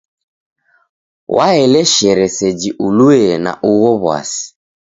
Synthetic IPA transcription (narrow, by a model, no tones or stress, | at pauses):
wʔaɛlɛʃɛɾɛsɛd͡ʒiʔuluɛna̰ʔuwɔβwa̰si̥